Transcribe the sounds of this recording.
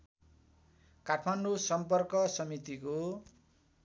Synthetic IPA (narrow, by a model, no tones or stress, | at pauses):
kaʈʰmanɖusʌmpʌrkʌsʌmit̪iko